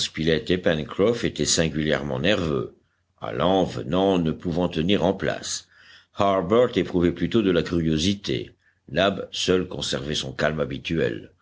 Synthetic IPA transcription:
spilɛt̪epɛnkχɔfet̪ɛsɛ̃ɡʲyljɛʁmɑ̃nɛʁvø̰ | a̰lɑ̃vənɑ̃nəpuvɑ̃t̪əniʁɑ̃pla̰s | haʁbœʁt̪epχuvɛplyt̪od̪əlakʲyʁjozit̪ḛ | nabsœlkɔ̃sɛʁvɛsɔ̃kalmabit̪yɛ̰l

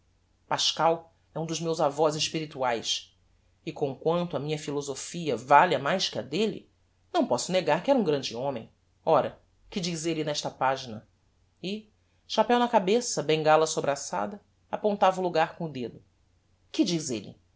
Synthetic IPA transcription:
paʃkaw | ɛũd̪ʊzmewzavɔzɪʃpiɾit̪uajs | ɪkõkwɐ̃nt̪ʊɐmĩɲɐfilozofiɐvalɐmajskɪɐd̪elɪ̰ | nɐ̃w̃pɔsʊneɡaɾkɪɛɾɐũɡɾɐ̃d͡ʒɪõmḛ̃j̃ | ɔɾɐ | kɪd͡ʒizelɪnɛʃt̪ɐpaʒinɐ | ɪ | ʃapɛwnɐkabesɐbẽŋɡalɐsobɾasa̰d̪ɐ | apõnt̪avɐʊluɡaɾkõʊd̪ed̪ʊ | kɪd͡ʒizelɪ̰

